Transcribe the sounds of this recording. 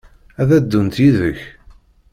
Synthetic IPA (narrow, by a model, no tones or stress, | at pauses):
æðæd̪ːunt̪jiðəç